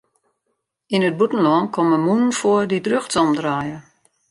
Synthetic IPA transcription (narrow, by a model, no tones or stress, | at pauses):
inəd̚butn̩lɔnkʰɔməmunən̩foədidrøxtɔmdraːjə